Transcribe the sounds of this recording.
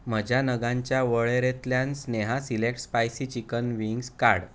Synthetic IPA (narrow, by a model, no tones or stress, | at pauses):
m̤əd͡ʑʱanəɡãɲt͡ɕjaʋəɭeɾet̪ljãnsneɦasilek̚ʈspajsit͡ɕikənʋiŋɡskaɽ